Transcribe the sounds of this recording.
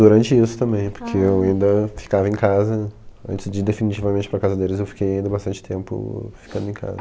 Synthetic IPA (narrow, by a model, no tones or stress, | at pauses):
d̪uɾɐ̃nt͡ʃɪisʊ̥t̪ɐ̃mbẽj̃poɾkʰeewaĩnd̪ɐfi̥kavɐẽkazɐɐ̰̃nt͡ʃɪzd͡ʒɪd̪efinit͡ʃivɐmẽnt͡ʃɪ̥pɾɐkawzɐd̪elɪzewfi̥kejaĩnd̪ɐbast̪ɐ̃nt͡ʃɪ̥t̪ẽmpʊ̰fi̥kɐ̃d̪ʊẽj̃kʰa̰zɐ